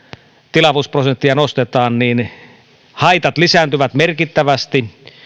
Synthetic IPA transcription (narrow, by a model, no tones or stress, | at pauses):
t̪ilɑʋusprosent̪ːiɑnost̪et̪ɑːnniːn | hɑit̪ɑt̪lisænt̪yʋæt̪merkit̪ːæʋæst̪i